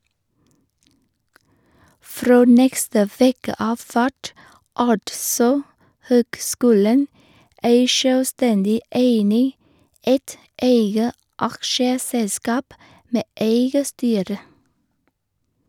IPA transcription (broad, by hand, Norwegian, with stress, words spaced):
ˈfɾoː ˈnɛkstə ˈʋeːkə ˈɑːf ˈfæʈ ˈɑʈsɔ ˈhøːkˌskʉːlən ˈeɪ ʃœlˈstɛndɪ ˈʔeɪnɪ ˈeɪt ˈeɪɡə ˈɑkʃəˌsɛlˌskɑːp ˈmeː ˈʔeɪɡə ˈstyːɾə